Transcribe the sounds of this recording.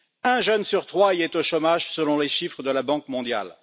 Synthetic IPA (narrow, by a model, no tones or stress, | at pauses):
ɛ̃ʒənsyʁt̪χwaiɛt̪oʃɔmaʒsəlɔ̃leʃifχəd̪əlabɑ̃kmɔ̃d̪ja̰l